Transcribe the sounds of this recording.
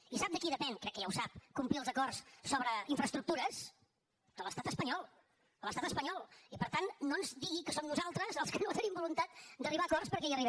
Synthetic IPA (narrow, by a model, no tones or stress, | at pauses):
isab̚d̪əkiðəpɛnkɾɛkːəʒawsap̚kumpliəlˠzəkɔrsːoβɾəiɱfɾəst̪ɾuk̚t̪uɾəs | d̪̥ələst̪at̪əspəɲɔlˠ | d̪ələst̪at̪əspəɲɔlˠipəɾt̪anːonzd̪iɣikəsomnuzalˠt̪ɾəzəlˠskənot̪ənimbulunt̪at̪̚d̪əriβakɔrspəɾkɛjəriβ